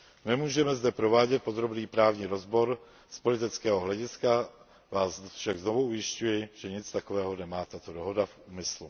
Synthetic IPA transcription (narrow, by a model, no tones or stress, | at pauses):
nɛmuːʒɛmɛzdɛpɾo̞vaːɟɛt̪̚po̞d̪ɾo̞bniːpɾaːvɲiɾo̞zbo̞ɾ | spo̞lɪt̪ɪt͡skɛːɦoɦlɛɟɪska | vaːsfʃaɡzno̞vuʔujɪscujɪʒ̥ɛɲɪt͡st̪ako̞vɛːɦo̞nɛmaːt̪at̪o̞do̞ɦo̞dafʔuːmɪslu